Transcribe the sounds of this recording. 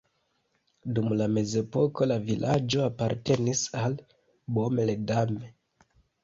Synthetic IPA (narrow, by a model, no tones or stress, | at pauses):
dumlame̞ze̞po̞ko̞lavilʔad͡ʒo̞apaɾte̞nisal | bomeledame